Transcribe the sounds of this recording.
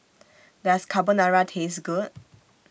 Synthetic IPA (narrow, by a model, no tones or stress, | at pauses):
d̪ɛskʰabənaɹatʰesɡud